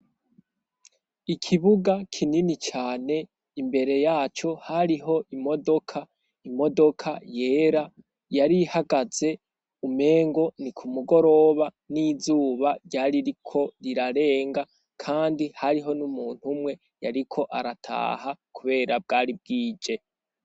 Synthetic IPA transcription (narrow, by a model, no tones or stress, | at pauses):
ikʰiβuɡakʰininit͡ʃaːne̞ | imbe̞ɾe̞jaːt͡ʃo̞haɾiɦo̞ʔimo̞do̞kʰa | imo̞do̞kʰaje̞ːɾa | jaɾihaɡaze̞ | ume̞ːŋɡo̞nikʰumuɡo̞ɾo̞βa | nizuːβaɾɟaːɾiɾikʰo̞ɾiɾaɾe̞ːŋɡa | kʰaːndihaɾiɦo̞numuːn̥humwe̞ | jaɾikʰo̞ʔaɾatʰa̰ːɦakʰuβe̞ːɾab̚ɡaːɾib̚ɡiːd͡ʒe̞